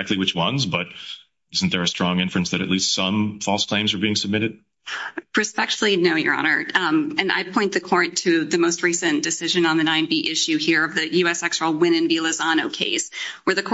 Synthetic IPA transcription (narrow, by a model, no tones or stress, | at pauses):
æk̚tˡliwɨt͡ʃwʌ̃nzbʌɾ̚ | ɪzn̩t̪ðə˞ɨstɹ̥ɔ̃ŋɪ̃ɱfɹɨ̃nsðɨɾɨ̰tˡlistsʌ̃mfɔlˠskʰl̥ẽɪ̃mzə˞biɪ̃ŋsəb̚mɪɾɨd̥̚ | pʰə˞spɛk̚tfl̩ˠinoʊjə̰˞ɑ̰nə˞ɨ̃na̰ɪpʰɔ̃ɪ̃nðɨkʰɔɹɨ̃ntʰɨðɨmoʊst̚ɹisɨ̃nd̥ɨsɪʒɨ̃nə̃nðɨnãɪ̃nbiʔɪʃʉhiɹʌvðɨjʉɛsɛkstɹl̩ˠwɪ̃ñɨ̃nvilˠɨzɑñoʊkʰḛɪswə˞ðɨkʰ